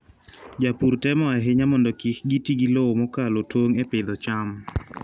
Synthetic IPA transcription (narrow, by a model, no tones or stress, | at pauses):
d͡ʒapurtɛmɔaɦɪɲamɔndɔkikɡitiɡilowomɔkalotwoŋɛpɪd̪ɔt͡ʃam